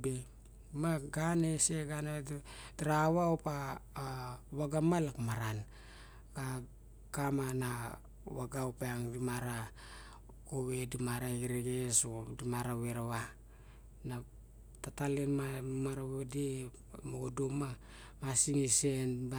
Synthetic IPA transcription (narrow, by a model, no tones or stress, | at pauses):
be | maɡaneseɡanaedtaɾaβaopa | βaɡamalakmaɾan | ka | ɡamana | waɡaopaaŋdimaɾa | koβe̞dimaɾaiɾeɡesodimaɾaweɾaβa | na | tatalenmamaɾaβode | moɡodoma | masiŋisenba